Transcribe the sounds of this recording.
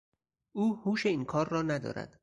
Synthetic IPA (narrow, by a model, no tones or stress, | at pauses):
ʔuːhuːʃe̞iːnkʰɒːɾːɒːnæd̪ɒ̰ːɾæ̰d̪̥